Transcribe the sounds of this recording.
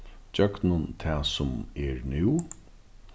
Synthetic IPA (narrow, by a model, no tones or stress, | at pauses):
d͡ʒœɡnʊnt̪ʰɛːsʊmɛɹnɪw